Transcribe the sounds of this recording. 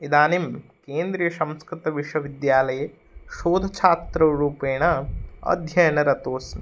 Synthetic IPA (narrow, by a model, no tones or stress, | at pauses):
id̪aːnimkeːnd̪ɾijɐʃɐ̃mskɾɪt̪ɐʋiʃʋɐʋid̪jaːlɐjɐ | ʃoːd̪ʱɐt͡ʃʰaːt̪ɾɐɾuːpeːɽ̃ɐɐ̰d̪ʱjɐjɐnɐɾɐt̪oːsnɐ